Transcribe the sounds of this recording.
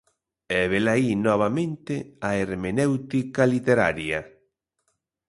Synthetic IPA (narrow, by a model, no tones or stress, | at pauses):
ɛβelainɔβ̞amẽnt̪eaeɾmenewt̪ikalit̪eɾa̰ɾja